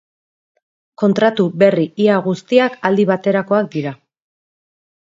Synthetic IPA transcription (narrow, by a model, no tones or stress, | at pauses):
ko̞nt̪ɾat̪uβe̞riʔiaɣust̪iakald̪iβ̞at̪e̞ɾako̞ak̚d̪iɾa